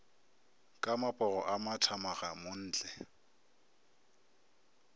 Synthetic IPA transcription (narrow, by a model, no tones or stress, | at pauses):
kʼamapʼɔɣɔʔamatʰamaɣamon̩ːt͡ɬʼɛ